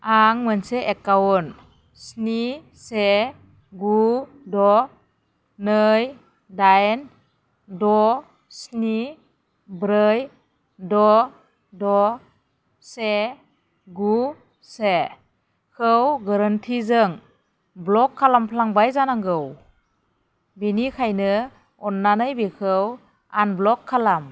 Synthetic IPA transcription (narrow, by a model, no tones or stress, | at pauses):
aŋmənseʔekawun | sni | se | ɡu | dɔ | nɯj | dajn | dɔ | sni | bɾɯj | dɔ | dɔ | se | ɡu | se | kʰɯwɡaɾɯntʰizɯŋ | blɔkʰːalampʰlaŋbajzanaŋɡɯw | binikʰajnɯ | ɔnːanɯjbikʰɯw | anblɔkʰːalam